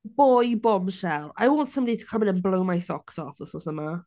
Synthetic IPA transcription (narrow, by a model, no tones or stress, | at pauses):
b̥ojbɔmʃɛlˠa̰jwɔ̃ntsə̃mbɔditʰə̥kʰəmɪnə̃nblowmajsɔksɔfəsɔsəma